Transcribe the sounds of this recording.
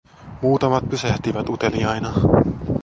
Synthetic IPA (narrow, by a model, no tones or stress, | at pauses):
muːt̪ɑmɑt̪̚pysæht̪iʋæt̪ut̪e̞liɑjnɑ